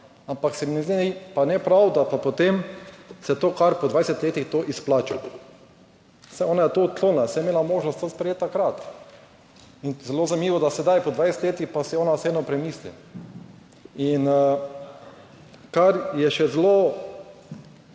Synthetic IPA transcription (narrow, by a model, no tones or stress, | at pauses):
ampaksɛmnɛzd̪iipanɛpɾawd̪apapot̪emsɛt̪oːkaɾpɔd̪ʋajsɛt̪leːt̪ixt̪oʔisplaːt͡ʃa | sɛoːnajɛt̪oːt̪̚kloːnnasɛjɛmeːlamoːʒnɔst̪ospɾɛjeːt̪ːakɾat̪ | inzɛloznamiːʋɔd̪asɛd̪ajpɔd̪ʋajsɛ̥t̪leːt̪ixpasɛɔːnased̪nɔpɾɛmiːslḭ | in | kaɾjɛʃɛzlo